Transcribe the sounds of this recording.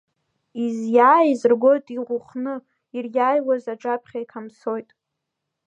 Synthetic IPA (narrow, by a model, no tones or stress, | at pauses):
izjaːizɨrɡo̞jtʼiʁʷʊχnɨ | irjʲaːjwazaʈ͡ʂʼapʰχʲaikʰamso̞jtʼ